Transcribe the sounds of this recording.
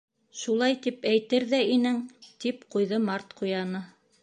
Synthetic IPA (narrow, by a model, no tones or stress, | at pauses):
ʃulˠɑjt̪ipæjt̪ɘɾðæinɘŋt̪ipqujðɤmɑɾt̪qʰujɑnɤ